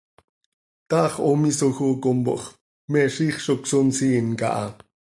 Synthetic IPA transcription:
t̪ɑχomisoxokombo̰ʔχ | meʃiːχʃoksonsinka̰ʔɑ

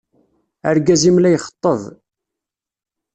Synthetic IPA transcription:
ə̰ɾɡæzimlæjχə̥t̪ˤːəðˤ

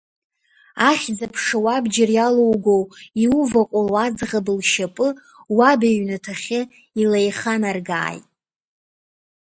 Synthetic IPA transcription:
aχʲd͡zapʰʂawabd͡ʒɪrjalowɡowiuvaqʷʼalwad͡zʁabɨlʃapʼɨ | wabeɥnatʰaχʲɪ | ilajχanarɡa̰ːjtʼ

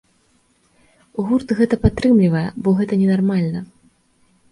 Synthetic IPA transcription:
uɣurt̪ɨɣɛt̪ɐpat̪ːɾɨmlʲivɐjɛ̰bɔɣɛt̪ɐnʲɛnarmalʲnɐ

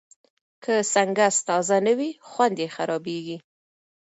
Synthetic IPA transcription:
kʰəsaŋɡast̪ɑzanəwixwand̪exaɾɑbeɡi

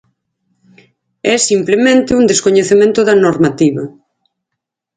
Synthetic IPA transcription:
ɛsimplemẽnt̪ɪuŋd̪eskoɲeθemẽnt̪ʊðɐnoɾmat̪iβɐ

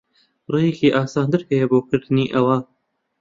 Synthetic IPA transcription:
rejekiːʔɑːsɑːnd̪ɨɾhɐjeboːkɨɾd̪ɨniːʔɐwa

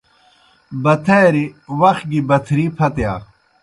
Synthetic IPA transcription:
bɐt̪ʰeːɾiwɐxɡibɐt̪ʰɾipʰɐt̪ja̰ː

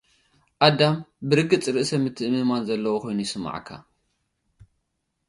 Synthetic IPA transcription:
ʔad̪ambɨɾɨɡɨt͡sʼɾɨʔsɐmɨt̪ʰːɨʔɨmɨmanzɐlːɐwokʰo̞jnujɪsɨma̰ʕ̰kʰːa̰

